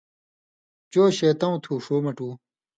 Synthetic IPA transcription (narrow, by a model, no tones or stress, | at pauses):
t͡ɕoːɕeːt̪ɐũt̪ʰuːʂoːmɐʈuː